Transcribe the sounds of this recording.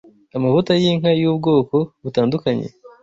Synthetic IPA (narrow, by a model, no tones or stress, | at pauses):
amavutajiŋ̥ɦajuːbɡo̞ːko̞βutaːndukaɲe̞̰